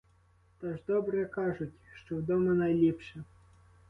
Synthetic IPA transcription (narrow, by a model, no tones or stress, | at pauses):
t̪ɔʐd̪ɔbɾɨkaʐut͡sʲʂt̪ɔwd̪ɔmɐnajlʲipʂɛ